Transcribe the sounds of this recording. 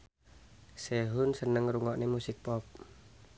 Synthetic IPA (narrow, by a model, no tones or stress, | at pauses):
sɛɦunsənəŋɾuŋɔʔnemusik̚pɔp̚